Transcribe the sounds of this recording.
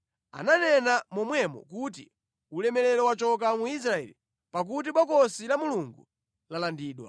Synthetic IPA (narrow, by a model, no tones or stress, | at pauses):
a̰nanɛnamɔmwɛmɔ̰kut̬ḭ | ulɛmɛlɛlɔwat͡ʃɔk̬amuis̬ɾaɛ̰lḭ | pak̬ut̬iɓɔkɔsilamuluŋɡu | lalandiːɗwa̰